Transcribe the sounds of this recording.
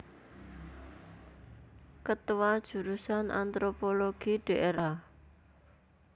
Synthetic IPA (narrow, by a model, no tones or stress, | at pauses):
kət̪wad̥ʒ̥ṳɾusanʔa̰nt̪ɾopoloɡ̥iɖ̥eʔeɾʔa